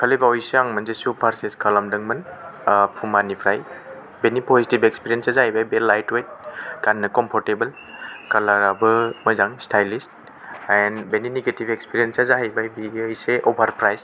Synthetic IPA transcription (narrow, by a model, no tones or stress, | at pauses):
kʰəlejbawjseaŋmɐnzesupʰaɾseskalamdɐŋmɐnpʰumanipʰɾaj | benipɔzitibekspiɾijensazaɦajbajbelajtwejt̚ɡanːɯkɔmpʰɔɾtebɐl | kalaɾabɯmɐzaŋstajlist | enbeniniɡetibekspiɾiensazaɦajbajbijseʔobʱaɾpʰɾajs